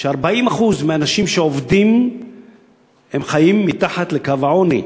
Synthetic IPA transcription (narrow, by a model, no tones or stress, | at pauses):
ʃeaʁbaimaχuzmeanaʃimʃeovdim | hemχajimːit̪aħat̪lekavaʕonḭ